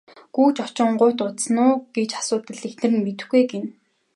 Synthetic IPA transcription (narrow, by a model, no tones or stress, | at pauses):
ɡ̥uːt͡ɕɔt͡ɕɪ̆ɴɢʊːt̪ʊt̪snʊːɡet͡ɕḁsʊːt̪ə̆ɮext̪nɘ̆rmet̪ɘ̆xɡujɡen